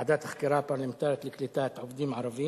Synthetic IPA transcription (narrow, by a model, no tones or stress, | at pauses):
ad̪aːt̪ɪxk̪ɪɾˤɑːpɑlɪmt̪ɑːɾˤɑt̪lɪklɪt̪aːt̪ʕʊfd̪iːmʕɑɾˤɑbiː